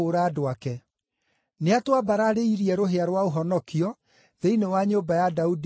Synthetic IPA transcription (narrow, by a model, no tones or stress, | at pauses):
oɾaːdoakɛ | neatwabaɾaɾeiɾiɛɾoɦeaɾwaoɦɔnɔkiɔ | ðeinewaɲoːbajadaud